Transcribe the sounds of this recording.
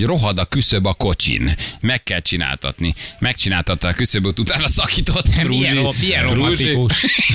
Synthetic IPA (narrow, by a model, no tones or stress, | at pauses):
ɟro̞ɦɒd̪ɒkysøbɒko̞t͡ʃḭnmɛkːɛlt͡ʃina̰ːlt̪ɒ̰t̪nimɛkt͡ʃinaːlt̪ɒt̪ːɒːkysø̞bot̪ut̪aːnɒsɒkiːt̪o̞t̪ːɾuːʒiɛɾuʒiuʃ